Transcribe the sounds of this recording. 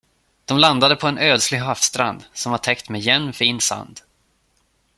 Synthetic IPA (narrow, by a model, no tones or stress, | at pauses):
d̪̥ɔmland̪ad̪əpʰɔɛnøːd̪slɪɡɦaːfst̪ɾa̰nd̪sɔmvaʈʰɛkt̪mɛjɛnːfiːnsa̰nd̪